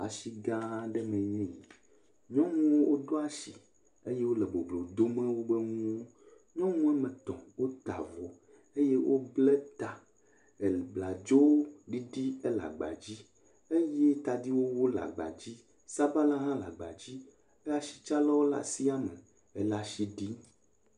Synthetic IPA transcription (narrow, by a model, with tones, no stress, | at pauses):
a̰˨ʃi˨ɡã˦ɖɛ˦mẽ˨ɲĩ˦˨ | ɲɔ̃˦ŋũ˦wo˦wo˦ɖo˦a˦ʃi˨ | e˦je˦wo˦le˨bo˨blo˨d̪o˦mẽ˦wo˦be˦ŋũ˦ | ɲɔ̃˦ŋũ˦ɛ˦mɛ̃˨t̪ɔ̰̃˨wo˦t̪a̰˨vo˨ | e˦je˦wʔo˦blɛ˦t̪a˨ | e˨li˨bla˨d͡ʒo˦wo˦ɖi˦ɖi˦e˦la̰˨ɡ͡ba̰˨d͡ʑi˦ | e˦je˦t̪a˨di˦wo˦wo˦la̰˨ɡ͡ba̰˨d͡ʑi˦ | sa˦ba˦la˦ɦã˦la̰˨ɡ͡ba̰˨d͡ʑi˦ | e˦a˨ʃi̥˨t͡ʃa˦lɔ˦wo˦la̰˨si˦a˦mḛ˨ | e˨la˨ʃi˦ɖi˦